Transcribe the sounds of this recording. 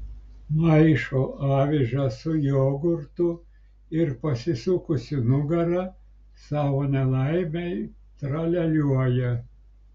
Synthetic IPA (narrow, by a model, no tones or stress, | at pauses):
mɐɪʃoːʔɑːʋʲɪʒɐsʊjoːɡʊɾt̪ʊ | ɪɾpɐsʲɪsʊkʊsʲɪnʊɡɐɾɐ | sɑːʋoːnʲɛlˠɐɪmʲɛɪ | t̪ɾɐlʲɛlʲuɔjɛ